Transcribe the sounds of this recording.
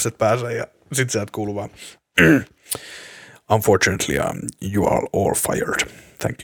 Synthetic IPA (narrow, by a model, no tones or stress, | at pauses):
set̪̚pæːseːjɑ | sit̪siælt̪kuːluʋɑː | ɑnfoɹt͡ʃunət̪ʰlḭɑ̰juɑ̰ːɹɔːlfa̰jə̰ɹd̥θʰæ̰̃ŋk